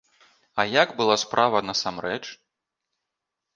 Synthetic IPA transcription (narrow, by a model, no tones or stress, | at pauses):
ɐjaɡbɨlˠaspɾʔavɐnɐsamrɛt͡ʂ